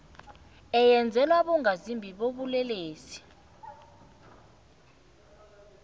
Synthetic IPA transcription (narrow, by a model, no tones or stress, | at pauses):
ɛjɛnd͡zʱɛlwaɓɔŋazimbʱiɓoɓulɛleːsi̥